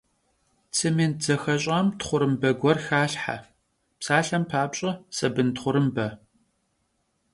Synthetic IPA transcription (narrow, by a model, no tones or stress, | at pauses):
t͡sʰɨmeːnd͡zɐxɐɕʼaːmtχʷʊɾɨmbɐɡʷɔrxaːɬħa̰ | psaːɬɐmpʰaːpɕʼɐsɐbɨntχʷʊɾɨmbɐ